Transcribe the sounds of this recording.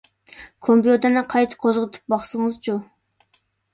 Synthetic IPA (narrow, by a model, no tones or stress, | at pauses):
kʰompijod̪ɑnɨqʰɑjt̪ʰɨ̥qʰozʁət̪ʰɨ̥p̚bɑχsɨŋɨzd͡ʒo